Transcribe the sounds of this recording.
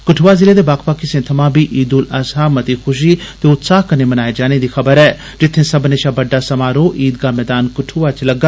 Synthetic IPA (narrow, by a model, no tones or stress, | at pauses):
kʊʈʰuːʋaːzɪɾeːd̪eːbaːkʰpaːkɪsẽːt̪ʰɐmãːbiːʔiːd̪ʊləsɦaːmət̪iːxʊʃ̬iːt̪eʊt̪saːɦkənemənaːed͡ʒaːneːd̪iːxʰɐbəɾɛː | d͡ʒɪt̪ʰːẽːsɐbneːʃaːbəɖːaːsɐmaːɾoːʔiːd̪ɡaːmɛːd̪aːnkʊʈʰuʋaːt͡ʃləɡa